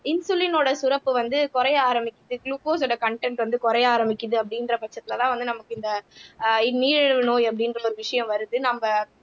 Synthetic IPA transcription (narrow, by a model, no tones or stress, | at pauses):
ɪnsʊlɪnoːɽɐsʊɾɐpːɯʋɐnd̪ɯkʊɾɐjaːɾɐmbɪkʲːɪðɯkluːkoːs̬ɔɽɐkɐɳʈɛɳʈʋɐnd̪ɯkʊɾɐjaːɾɐmbɪkʲːɯðɯɐpːɐɽɪndrɐpɐt͡ʃːɐt̪ːɪlɐlãːʋɐnd̪ɯnɐmɐkːɯɪnd̪ɐɪniːɻɛɻɯʋɐnoːjɐpːɐɽɪnrɐɔɾɯʋɪʂɐjɐ̃mʋɐɾɯðɯnɐmbɐ